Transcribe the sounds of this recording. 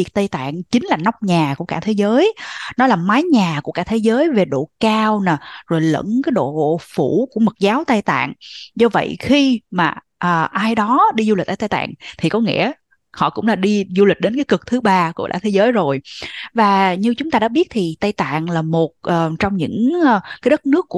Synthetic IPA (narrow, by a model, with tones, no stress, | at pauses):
i˨˩t̪ə˧jt̪a̰ː˧˨ŋt͡ɕï˨˦ŋ̟laː˨˩na˨˦˥wk͡p̚ɲaː˨˩ku˧˩əkaː˧˩t̪ʰe˨˦zəː˨˦jnɔ˨˦laː˨˩maː˨˦jɲaː˨˩ku˧˩əkaː˧˩t̪ʰe˨˦zəː˨˦jve˨˩ɗo̰˧˨kaː˧wnaː˨˩zo˨˩jlə̰˧˥nkaː˨˦jɗo̰˧˨ɣo̰˧˨fu˧˩ku˧˩əmə˨˩t̚zaː˨˦wt̪a˧jt̪a̰ː˧˨ŋzɔ˧və̰˧˨jxi˧maː˨˩ | ʔəː˨˩ʔaː˧jɗɔ˨˦ɗi˧zu˧li̟˨˩ʔaː˧˩t̪a˧jt̪a̰ː˧˨ŋt̪ʰi˨˩kɔ˨˦ŋḭ˧˥ə | hɔ̰˧˨kʊ̰˧˥ŋ͡mlaː˨˩ɗi˧zu˧li˨˩k̟̚ɗe˨˦nkaː˨˦jkɨ˨˩k̚t̪ʰɨ˨˦ɓaː˧ku˧˩əɗa̰ː˧˥t̪ʰe˨˦zəː˨˦jzo˨˩jvaː˨˩ɲɨ˧t͡ɕʊ˨˦ŋ͡mt̪aː˧ɗa̰ː˧˥ɓi˦˥ət̚t̪ʰi˨˩t̪a˧jt̪a̰ː˧˨ŋlaː˨˩mo˨˩t̚ʔəː˨˩t͡ɕɔ˧wŋ͡mɲɨ̰˧˥ŋː˧kaː˨˦jɗə˦˥t̚nɨ˦˥kːu˧˩